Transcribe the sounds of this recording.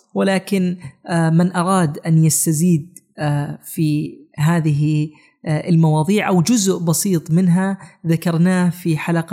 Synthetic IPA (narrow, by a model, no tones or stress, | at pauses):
wɪlaːkɪnmɪnʔɑɾˤɑːd̪ʔanjast̪aziːd̪ | fiɦaːðɪɦi | ɪlmɑwɑːðˤiːʕʔawd͡ʒʊzʔbɑsiːt̪ˤmɪnɦaðakɑɾˤnaːfiħalaq